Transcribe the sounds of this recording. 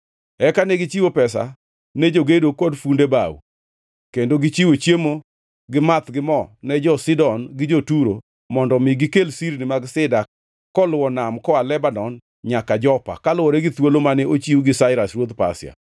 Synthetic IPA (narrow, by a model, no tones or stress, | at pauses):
ɛkanɛɡɪt͡ʃiwopɛs̬a̰ | nɛd͡ʒoɡedokɔdfundeba̰w̰ | kendoɡɪt͡ʃiwot͡ʃjemo | ɡɪmat̪ɡɪmɔnɛd͡ʒɔsɪdɔnɡɪd͡ʒotuɾo | mɔndɔmiɡɪkelsiɾnɪmaɡsɪdakː | ɔlʊwɔnamkɔalɛbanɔn | ɲakad͡ʒɔpa̰kalʊwɔɾɛɡɪt̪wolomanɛot͡ʃiwɡɪsaɪɾasɾwot̪pa̰sɪa̰